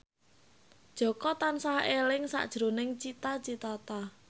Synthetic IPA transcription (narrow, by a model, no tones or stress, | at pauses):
d̥ʒ̥ɔ̤kɔt̪ansahelɪŋsa̰ʔd̥ʒ̥ɾo̤nɪŋt͡ʃit̪at͡ʃit̪at̪a